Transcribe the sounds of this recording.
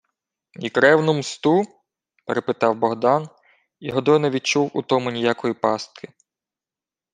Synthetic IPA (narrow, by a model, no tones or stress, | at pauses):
ikɾɛwnʊmst̪u | peɾepɪt̪ɑwbɔɦd̪ɑn | iɦɔd̪ɔjnɐʋʲit͡ʃuwut̪ɔmʊnʲijakɔjipɑst̪̚kʰɪ